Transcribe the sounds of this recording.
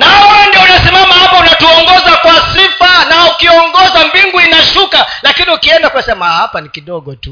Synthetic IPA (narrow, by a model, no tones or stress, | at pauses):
naɔandiɔunasimamahapaunatuɔŋɡɔzakwasifanaukiɔŋɡɔzambiŋɡuinaʃukalakiniukiɛndakuasɛmahapanikiɗɔɡɔtu